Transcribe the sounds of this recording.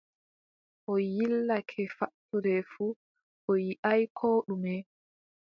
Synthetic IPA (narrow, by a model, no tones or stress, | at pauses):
ʔɔjilːakʰɛfatːuɾɛfu | ʔɔjiʔajkʰoːɗumɛ